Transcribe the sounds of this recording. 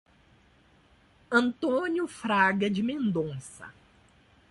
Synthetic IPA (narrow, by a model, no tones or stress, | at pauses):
ɐ̃nt̪õnjʊfɾaɡɐd͡ʒɪmẽnd̪õsɐ̰